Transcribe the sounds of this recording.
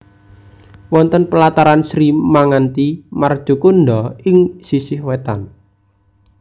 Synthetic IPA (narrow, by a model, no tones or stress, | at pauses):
wɔnt̪ənpəlat̪aɾansɾimaŋant̪imard̥ʒ̥ṳkunɖɔɪŋsisɪhwet̪an